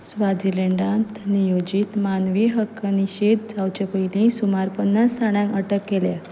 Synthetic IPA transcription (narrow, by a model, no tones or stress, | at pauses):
sʋad͡zileɳɖãnt̪nijod͡ʑiːt̪manʋiɦəkːəniɕed̪̚d͡zawt͡ɕepəɦilĩsumaɾpənːasːaɽ̃jãŋkəʈəkːele